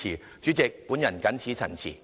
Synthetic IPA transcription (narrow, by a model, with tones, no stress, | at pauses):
iː˨˩ | t͡ʃyː˨˥t͡sɪ˨k̚pu˨˥njɐ˨˩nkɐ˨˥nt͡sʰiː˨˥t͡sʰɐ̰˨˩nt͡sʰḭ˨˩